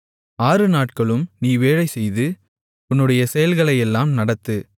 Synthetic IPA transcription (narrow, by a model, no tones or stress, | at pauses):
aːɾɯnaːʈ̚kɐɭɯmniːʋeːɻɐɪsɛjðɯ | ʊnːɯɽɐjɐsɛjɐlɣɐɭɐɪɛlːaːmnɐɽɐt̪ːɯ